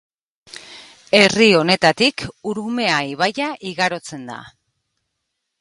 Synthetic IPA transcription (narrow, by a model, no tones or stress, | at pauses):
e̞rio̞ne̞t̪at̪ikuɾume̞aiβ̞ajaʔiɣaɾo̞t͡se̞nd̪a̰